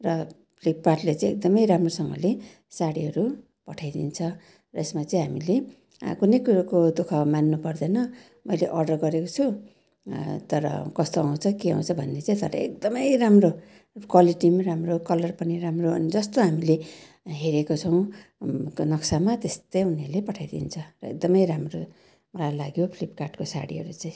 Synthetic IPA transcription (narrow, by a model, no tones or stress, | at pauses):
rʌ | pʰlippaʈlet͡sãĩek̚d̪ʌmʌjɾamrosʌŋɡʌ̰le | saɽiɦʌɾu | pʌʈʰajd̪ḭnt͡sʰʌ | rʌesmat͡sʌĩɦamile | kunʌjkuɾakod̪okʰamanːupʌrd̪ʌnʌ | mʌjleʔʌrɖʌrɡʌɾekot͡sʰu | t̪ʌɾʌ̰kʌst̪oaw̃t͡sʰʌkiã̰w̃t͡sʰʌbʱʌnːet͡saĩt̪ʌ̰ɾʌ̰ek̚d̪ʌmʌjramro | kwaliʈimramrokʌlʌrpʌniɾamroʌ̰nid͡zʌst̪oɦamile | ɦeɾekot͡sʰʌw̃ | nʌksamat̪est̪ʌjunelepʌʈʰajd̪ḭnt͡sʰʌrʌḛk̚d̪ʌmʌjɾamro | mʌlajlaɡjopʰlipkarʈkosa̰ɽiɦʌ̰ɾut͡saĩ